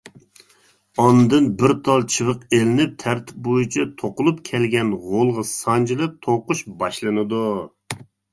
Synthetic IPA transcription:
ɑnɨd̪ɨnbɪɾt̪ʰɑlˠt͡ʃʰɨvɨqelɪnɪp̚t̪ʰæɾt̪ʰɪ̥p̚bojut͡ʃʰɛt̪ʰoqʊlˠupkʲʰɛlɡʲɛnʁolˠʁɑsɑnd͡ʒilˠɨt̪ʰoqʊʃbɑʃlˠɨnɨd̪u

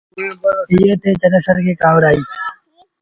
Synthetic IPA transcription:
ijeːt̪ʰeːt͡ʃənesəɾkeːkaːʋɾaːiː

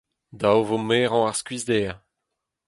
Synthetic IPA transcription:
d̪awvomeːʁɑ̃aʁskɥizd̪ea

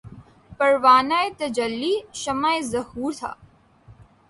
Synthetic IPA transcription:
pɐɾʋaːnaet̪ɐd͡ʒɐlːiʃɐmaːezɐhuːɾt̪ʰa̰ː

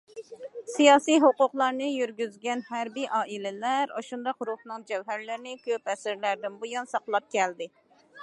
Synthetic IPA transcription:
sijɑːsijɦoqʊqlˠɑɾnɨjyɾɡʲyzɡʲɛnhæɾbiʔɑːʔilɪlæɾɑʃund̪ɑqɾuhnɨŋd͡ʒɛwɦæɾlɪɾɪnɪkʲʰøpɛsɪɾlæɾd̪ɪnbujɑnsɑqlˠɑp̚kʲʰɛld̪ɪ

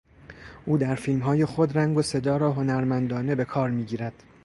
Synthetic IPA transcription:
ʔuːd̪æɾfiːlmɦɒːje̞xo̞d̪ɾæŋɡo̞se̞d̪ɒːɾɒːɦo̞næɾmænd̪ɒːne̞be̞kʰɒːɾmiːɟiːɾæd̪̥

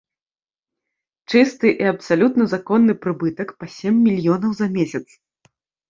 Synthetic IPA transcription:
t͡ʂɨst̪ɨʔiɐpsalʲut̪nɐzakɔnːɨpɾɨbɨt̪ɐkpɐsʲemʲːilʲjɔnɐwzɐmʲesʲɐt̪s

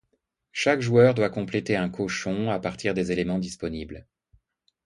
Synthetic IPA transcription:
ʃakʒuœʁd̪wakɔ̃plet̪eɛ̃kʰoʃɔ̃apaʁt̪ʰiʁd̪ezelemɑ̃d̪ispɔnibl

